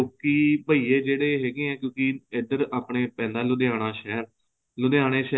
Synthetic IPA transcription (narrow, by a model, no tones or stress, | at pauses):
õːkiːbəiːeːd͡ʒeːɽeːɦɛːɡeːɛ̃ːkjõːkiɪd̪əɾaːpɳeːpɛ̃ːnd̪ãːlʊd̪eaːnaːʃɛːɾ | lʊd̪eaːɽeːʃɛ